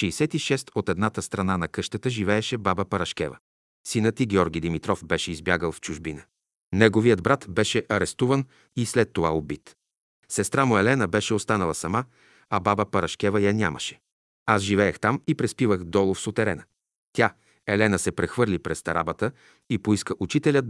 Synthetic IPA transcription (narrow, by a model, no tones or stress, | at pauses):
ʃɛisɛt̪iʃɛst̪ot̪ɛd̪nat̪əst̪ɾɐnanɐkɤʃt̪ət̪əʒivɛːʃɛbabəpɐɾɐʃkʲɛvə̰ | sinət̪iɡʲɛɔɾɡʲijd̪imit̪ɾɔfbɛʃɛizbjaɡəlˠft͡ʃʊʒbinə | nɛɡovijəd̪bɾat̪bɛʃɛʔɐɾɛst̪uvən | islɛt̪ːovaobit̪ | sɛst̪ɾamoɛlɛnəbɛʃɛost̪anəlˠəsɐma | ɐbabəpɐɾɐʃk̟ɛvəjanʲamə̰ʃɛ̥ | asʒivɛɛxt̪amipɾɛspivəxd̪ɔlˠofsot̪ɛɾɛnə | t̪ʲa | ɛlɛnəsɛpɾɛxvɤɾlipɾɛst̪ɐɾa̰bət̪ə | ipoiskəʔut͡ʃit̪ɛlʲət̪